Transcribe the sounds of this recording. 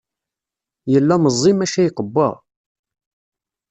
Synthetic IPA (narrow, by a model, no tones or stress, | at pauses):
jəlːæməzˤːimæʃæjqəbːɑ̰ʁ